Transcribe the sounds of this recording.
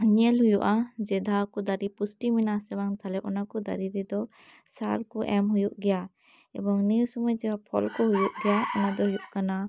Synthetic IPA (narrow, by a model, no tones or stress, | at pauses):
ɲɛlɦujuʔad͡ʒɛd̪ʱakud̪aɾipusʈiminasɛbaŋt̪ʰalɛʔɔnakɔd̪a̰ɾiɾɛd̪ɔ | sa̰ɾkɔʔɛmɦujuʔɡɛja | ɛ̰bɔŋnijusumɔjd͡ʒɛwapʰɔ̰lkɔɦujuʔɡɛjaɔnad̪ɔɦujuʔkana